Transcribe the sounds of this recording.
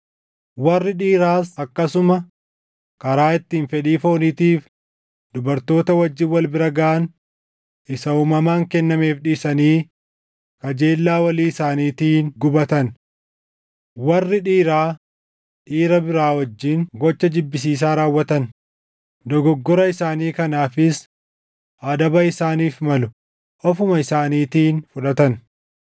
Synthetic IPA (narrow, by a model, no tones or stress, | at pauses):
wɐrːɪᶑiːɾaːsɐkːɐsʊmɐ | kɐɾaːɪt̪ːiːnfɛᶑiːfo̞ːniːt̪iːf | d̪ʊbɐɾt̪o̞ːt̪ɐwɐd͡ʒːɪnwɐlbɪɾɐɡɐʔɐn | ɪsɐuːmɐmaːŋkɛnːɐme̞ːfᶑɪsɐniː | kɐd͡ʒe̞ːlːaːwɐliːɪsaːniːt̪iːnɡʊbɐt̪ɐn | wɐrːɪᶑiːɾaː | ᶑiːɾɐbɪɾaːwɐd͡ʒːiːŋɡɔt͡ʃːɐd͡ʒɪbːɪs̬iːs̬aːɾaːwːɐt̪ɐn | d̪ɔɡɔɡːɔɾɐɪsaːniːkɐnaːfɪs | ʔɐd̪ɐbɐɪsaːniːfmɐlʊ | ʔɔfʊmɐɪsaːniːt̪iːnfʊᶑɐt̪ɐn